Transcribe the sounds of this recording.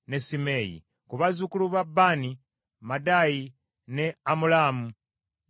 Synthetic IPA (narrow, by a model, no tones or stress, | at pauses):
ne̞sime̞jḭ | kuβazukuluβabːaːni | madaji | neamulaːmu